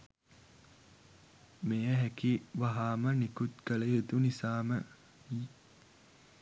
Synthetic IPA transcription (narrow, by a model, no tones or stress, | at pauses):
mejəɦɛkiʋaɦaːmənikut̪ɡəleed̪unisaːmə | i